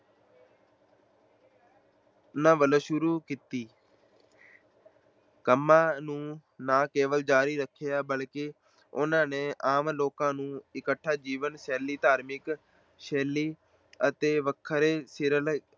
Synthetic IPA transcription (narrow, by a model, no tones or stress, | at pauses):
nãːʋələʃʊɾuːkiːt̪iː | kəmːãːnũːnãːkeːʋəld͡ʒaːɾiːɾəkʰːejaːbəlke | ʊnãːnẽːʔaːmloːkãːnũːɪkəʈʰːaːd͡ʒiːʋənʃɛːliːt̪aːɾmɪk | ʃeːliː | ət̪eːʋəkʰːəɾeːsɪɾəl